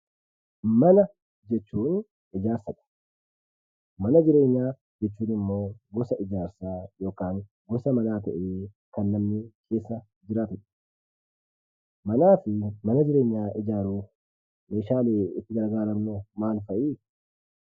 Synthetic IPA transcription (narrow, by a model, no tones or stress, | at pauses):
mɐnɐ | d͡ʒɛt͡ʃːuːn | ɪd͡ʒaːɾsɐᶑɐ̥ | mɐnɐd͡ʒɪɾeːɲːaː | d͡ʒɛt͡ʃːuːnɪmːo̞ːɡɔsɐɪd͡ʒaːɾsaːjo̞ːkaːŋ | ɡɔsɐmɐnaːt̪ɐʔeː | kɐnːɐmnɪkʰe̞ːsːɐ | d͡ʒɪɾaːt̪ʊᶑɐ̥ | mɐnaːfɪmɐnɐd͡ʒɪɾeːɲːaːɪd͡ʒaːɾuːf | meːʃaːleːɪt̪ːɪɡɐɾɡaːɾɐmnʊmaːnfɐʔiː